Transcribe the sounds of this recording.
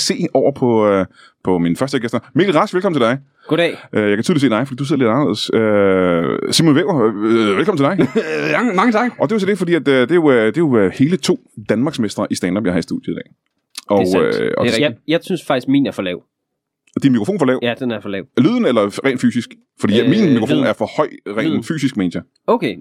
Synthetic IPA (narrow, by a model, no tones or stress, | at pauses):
se̝̰ːɒʊ̰ɐpʰɒ̽ | pʰɒ̽minəfɶɐsd̥əɡ̥esd̥ɐme̝ːɡl̩ʁɑ̈sɡ̥ʋelkɒ̽m̩n̩t͡se̝d̥ɑ̈ɪ | ɡodɛʔøjɑɪkʰæt͡sʰyðˠlise̝ːdɑ̈ɪfd̥ḭduse̝̰le̝dɑ̈nɐḛðˠəsø | simonʋeʊ̥ɐʋelkʰɒ̽mn̩t͡sʰed̥ɑ̈ɪ | mɑ̈ŋət͡sʰɑ̈ɡ̥ʔɒ̽d̥e̝ʊs̬ɒd̥e̝fɒ̽d̥ḭːæd̥d̥e̝jo̝d̥e̝jo̝he̝ːlət͡sʰo̝̰ːd̥ænmɑ̈ːɡ̥smesd̥ʁɐʔisd̥ænd̥ɑ̽bjɑ̈ɪhɑisd̥uðˠjəidɛ̰ː | ʔɒøɒ̽ijɑ̈ɪsynsfɑ̈ɡ̥isɡ̥mḭːnæɐfɒlɛʊ | d̥inmikʁofo̝̰ːn̩fɒ̽lɛʊ̰d̥enæɐfɒlɛʊlyðˠn̩elɐʁɛ̰ːn̥fy̰ːsisɡ̥ | fɒ̽dḭminmikʰʁofːnæɐfɒ̽hɒ̽ɪ̰ʁɛ̰ːnfy̰ːsisɡ̥menɕɐ | oʊkʰe